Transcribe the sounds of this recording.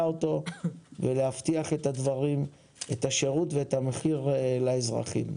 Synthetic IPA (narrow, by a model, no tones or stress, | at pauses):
oto̞veleaft̪iaχe̞t̪ad̪vaʁim | et̪aʃe̞ʁut̪veetameχiʁlaezʁa̰χḭm